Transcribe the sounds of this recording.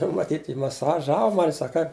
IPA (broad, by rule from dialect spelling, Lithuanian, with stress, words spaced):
nʊ mɐˈtʲiːtʲ jɪ mɐˌsɑːˈʒɑːʋoː ˈmɑːnʲɪ ˈsɐk kɐɪp